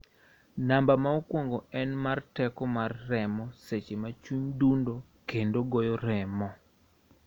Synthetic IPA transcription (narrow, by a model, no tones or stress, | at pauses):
nambamaokwɔŋɡɔɛnmartɛkɔmarːɛmɔset͡ʃemat͡ʃuɲdundo | kendoɡɔjɔɾɛmɔ